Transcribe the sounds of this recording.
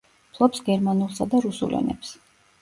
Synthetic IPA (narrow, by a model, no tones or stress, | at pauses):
pʰlˠɔpsɡɛɾmanulˠsad̪aɾusṵlɔ̰nɛ̰ps